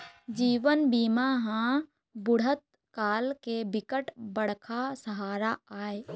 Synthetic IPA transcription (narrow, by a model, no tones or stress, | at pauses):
d͡ʒiːʋənbiːmaɦã | bʊɽ̤ət̪̚ | kaːlkebɪkəʈbəɽ̤kʰasəɦaːɾaaːe